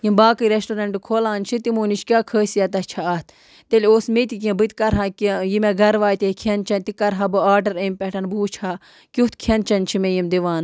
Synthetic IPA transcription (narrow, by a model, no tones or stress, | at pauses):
jimbaːkɨɾesʈoɾɐɳʈɨkʰoːlaːnt͡ʃʰit̪imuːnit͡ʃkʲaːkʰəːsjaːt̪ɐt͡ʃʰaɐːt̪ʰ | t̪elʲoːsmet̪ik̬ʲẽbɨt̪kɐɾɦãːkʲijimeɡɐɾʋaːjt̪ʲekʰent͡ʃɐnt̪ikɐɾɦabɨaːɾɖɐɾeːmʲpʲɛʈʰɐnbuːt͡ʃʰaː | kʲut̪kʰent͡ʃɐnt͡ʃʰimejimd̪iʋaːn